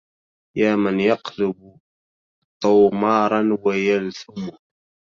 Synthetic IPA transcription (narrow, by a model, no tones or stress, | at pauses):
jaːmanjɑqlʊb | t̪ˤːʊːmɑːɾˤɑnwajalθʊmʊ